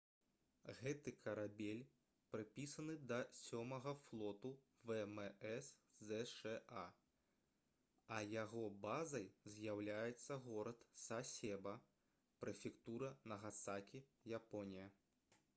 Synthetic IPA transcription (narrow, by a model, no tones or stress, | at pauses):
ɣɛt̪ɨkʰɐɾabʲelʲ | pɾɨpʲisɐnɨd̪ɐsʲɔmɐɣɐflˠɔt̪u | vɛmɛɛszɛʂɛa | ɐjaɣɔbazɐjzʲjawlʲajɛt̪sːɐɣɔɾɐt̪sasʲɛbɐ | pɾɛfʲikt̪uɾɐnɐɣat̪sakʲijapɔnʲijɐ